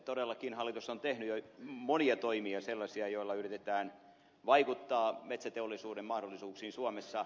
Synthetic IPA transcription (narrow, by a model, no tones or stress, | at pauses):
t̪oɾelːɑkinhɑlːit̪usːont̪ehnyjomoniɑt̪oimiɑselːɑsiɑjoilːɑyrit̪et̪æːn | ʋɑikut̪ːɑːmet̪sæt̪eolːisuːdemmɑhdolːˑisuːksiːnsuɑmesːɑ